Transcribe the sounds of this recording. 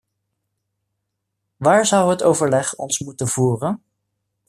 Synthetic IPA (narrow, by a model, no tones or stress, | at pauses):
ʋaːɹzʌwɦətowvəɹlɛχɔ̰nsmutənv̥uːrən